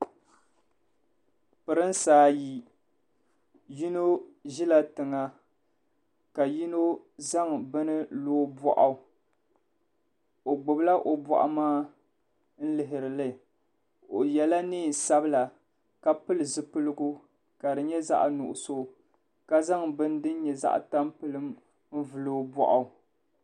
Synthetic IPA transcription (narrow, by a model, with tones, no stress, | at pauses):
pɨ˨ɾɨ˦n˦saː˨˦ji˨ | ji˦no˦ʒi˦la˦tɨ˨ŋa˦ | ka˨ji˦no˦ | za˦ŋbɨ˦nɨ˦loː˦bɔ̰˦ʔa˨ | o˨ɡ͡bʊ˨bla˦ʔo˨bɔ̰˦˨ʔa̰˨maː˦ | n̩˦lɪ˨ɦɪ˨ɾɨ˨lɨ˦ | o˨jɛ˨la˦niː˦˨n˨sa˦bɨ˦la˨ | ka˨pɨ˦lɨ˨zɨ˦pɨ˦lɨ˦ɡʊ˦ | ka˨dɨ˨ɲɛ˦za̰˦ʔnʊ̰˨ʔʊ̰˨so˦˨ | ka˦za˦ŋbɨ˦n˦dɨ˦n˦ɲɛ˨za̰˦ʔta˦mpɨ˦lɨ˦m | m̩˦vɨ˨lo˦bɔ̰˦ʔa˨ʊ˨